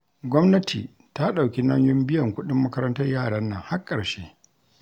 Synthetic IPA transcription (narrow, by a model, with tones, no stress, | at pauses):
ɡʷɔ˦mnɐ˦tʰiː˨ | ta˦ɗa˨wkʲi˦nɐ˦ɲjʊ˦mbɪ˦jɐ˨ŋkʷʊ˦ɗɪ˦mːɐ˦kɐ˦ɾɐ˦ntɐ˦rjaː˦˨ɽɐ˦nːɐ̰˦˨ŋha˦kʼːɐ˨ɽʃeː˦